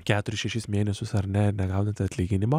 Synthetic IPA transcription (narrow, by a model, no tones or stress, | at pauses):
kʲæːt̪ʊɾʲɪsʃʲɛʃʲɪsmʲeːnʲɛsʲʊsɐɾʲnʲɛɪɾnʲɛɡɑʊd̪ɐnt̪ʲɐt̪ʲlʲiːɡʲɪnʲɪmo